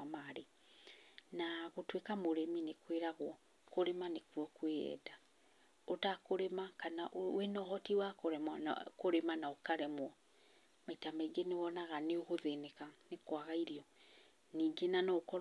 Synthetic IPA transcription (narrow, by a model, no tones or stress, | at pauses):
maɾe | naɣotwekamoɾeminekweɾaɣwɔ | koɾemanekuɔkweɛ̰da | otakoɾemakanaʔenɔɦɔtiwakoɾɛmkoɾemanaokaɾɛmwɔ | maitamaiɡenewɔnaɣaneoɣoðeneɣanekwaɣaiɾiɔ | niːɡenanokɔɾ